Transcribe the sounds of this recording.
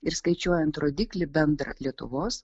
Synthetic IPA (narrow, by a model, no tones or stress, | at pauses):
ɪɾskɐɪt͡ʃʲuɔjɛnt̪ɾoːd̪ʲiːklʲɪbʲɛnd̪ɾɐ̰lʲiɛt̪ʊ̰ʋoːs